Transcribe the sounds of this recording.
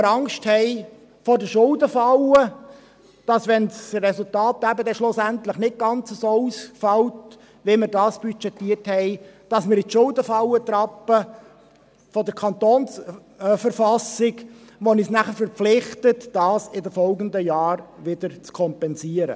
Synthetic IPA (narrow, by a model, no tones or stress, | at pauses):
ɾɑŋkʃthɛɪ | fɔdəʃʊldəfɑlə | d̥ɑsʋɛnsrɛsultɑːt̚ɡæbədɛʃlʊsæntləχnɪt̚ɡ̥ɑnt͡səsoːusfɑlt | ʋɪmɪɾdɑːsb̥yt͡ʃɛtiːəthɛɪd̥ɑsmɪɾɪtʃʊldəfɑlət̪ɾɑpːə | fɔdəɾkʰɑnt̪oːns | fəɾfɑsɪɡ | ʋonisnæχəɾfəɾpflɪχtətd̥ɑːsɪdəfɔlɡəndəjɑːɾʋɪd̥əɾt͡skʰɔmpɛnsiəɾə̰